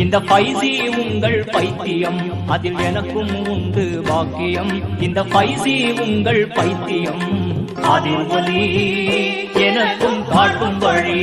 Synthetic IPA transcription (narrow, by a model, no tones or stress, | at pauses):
ɪnd̪ɐfɐjsimʊŋɡɐɭpɐɪt̪ːɪjɐm | ɐðɪlɛnɐkːɯmʊnɖ̪ɯbaːkɪjɐmɪnd̪ɐfɐjsimʊŋɡɐɭpɐɪt̪ːɪjɐm | ɐ̰ðɪlʋɐli | ɛnɐkːɯmkaːʈːɯmʋɐɻi